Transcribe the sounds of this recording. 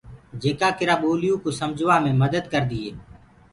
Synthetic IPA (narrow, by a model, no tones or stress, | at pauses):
d͡ʒeːkaːkɪɾaːɓoːlɪjũːkoːsəmd͡ʒʱʋaːmẽːməd̪əd̪kəɾd̪iːɦeː